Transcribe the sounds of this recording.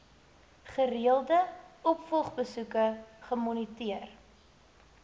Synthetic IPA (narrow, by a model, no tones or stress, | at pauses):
χəɾiəlˠdəɔpfɔlˠχbəsukəχəmɔnitiər